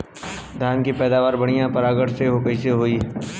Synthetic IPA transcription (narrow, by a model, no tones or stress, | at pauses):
d̪ʱjaːnkipɛːd̪aːʋaːɾbɐɽ̃ijãpɐɾaːɡəɽseɦokəiseɦoːiː